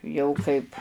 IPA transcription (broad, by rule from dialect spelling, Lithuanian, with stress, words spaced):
ˈjɛʊ kɐɪp